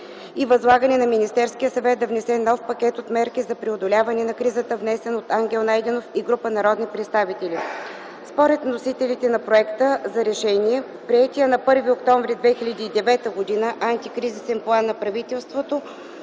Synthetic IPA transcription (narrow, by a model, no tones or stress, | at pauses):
ivɐzlˠaɡənɛnɐminist̪ɛɾsk̟ijəsɐvɛt̪̚d̪ɐvnɛsɛnɔfpɐkʲɛt̪ot̪mɛɾkizɐpɾɛod̪olʲavɐnɛnɐkɾizət̪əvnɛsɛnot̪aŋɡʲɛlˠnajd̪ɛnofiɡɾupənɐɾɔd̪nipɾɛt̪st̪avit̪ɛli | spoɾɛt̪nosit̪ɛlit̪ɛnɐpɾoɛkt̪əzɐɾɛʃɛniɛ | pɾiɛt̪ʲiənɐpɤɾviokt̪ɔɱvɾʲid̪vɛxilʲɐd̪iːd̪ɛvɛt̪əɡod̪inəʔant̪ikɾizisɛnplˠanːɐpɾɐvit̪ɛlˠst̪vot̪o